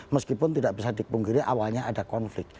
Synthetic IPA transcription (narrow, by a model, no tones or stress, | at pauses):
məskipʊnt̪idaʔb̥isadipuŋɡiɾiʔa̰walɲaadakɔnflɪk̚t̪̚